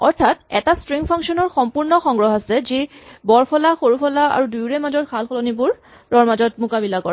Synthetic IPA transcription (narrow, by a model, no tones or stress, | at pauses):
ɔɹtʰatɛtastɹiŋpʰaŋksɔnɔɹxɔmpuɹnɔxɔŋɡɹɔɦasɛzibɔɹpʰɔlaxoɹupʰɔlaa̰ɹudujɹɛmazɔtkʰalxɔlɔnibʊɹ | ɹɔɹmazɔtmʊkabilakɔɹɛ